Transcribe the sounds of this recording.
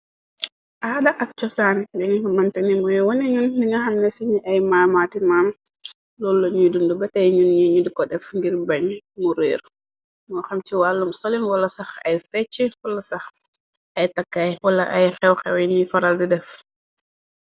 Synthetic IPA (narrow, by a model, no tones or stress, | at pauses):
ʔadaʔak̚t͡ʃɔsanɛdɛŋiɔmantɛnimɔjɔwɔniɲunːiŋahamnɛsiɲiʔajmamatimam | lɔlːɔɲidundubɛtajɲunɲiɲudikɔɗɛfŋɡiɾbaɲmuɾɛɾ | mɔxamtiwalːumsolinwalːasaxajfɛt͡ʃːɛwalːasax | ʔajtakːajwalːaʔajxɛwxɛwɛnifaɾaldɛdɛf